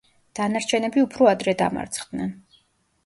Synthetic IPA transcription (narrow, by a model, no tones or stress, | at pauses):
d̪̥anaɾt͡ʃʰɛnɛbiupʰɾɔad̪ɾɛd̪a̰ma̰ɾt̪sʰχd̪nɛn